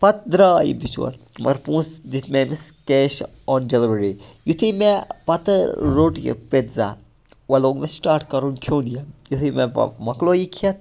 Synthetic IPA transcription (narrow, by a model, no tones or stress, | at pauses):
pɐt̪̚d̪ɾaːjḭbit͡ʃwɐ̰nmɐ̰ɾpũːsd̪it̪ʰmẽmiskeːʃ | ɔːnd͡ʒeliʋɾeɾijut̪ʰimepɐt̪əɾoːʈjḭpet̪za̰ː | wɐloːŋɡmesʈaːɾʈkɐɾunkʰjoːnijɐnjut̪ʰimḛmɐkloːjikʰjɐt̪̚